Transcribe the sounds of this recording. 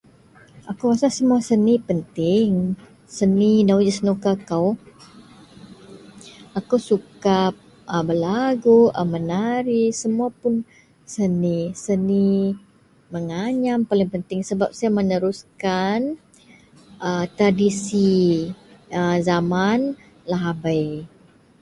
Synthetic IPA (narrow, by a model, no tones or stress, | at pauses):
ʔakuwasasəmuasənipənt̪ɪŋ | səninawd͡ʒəsənukakaw | akawsukap̚ | əbəlaɡuʔəmənaɾisəmuapʊn | sənisəni | məŋaɲampalɪŋpənt̪ɪŋsəbap̚sajamənəɾuskan | ət̪ɾadisi | əzaman | laɦabəj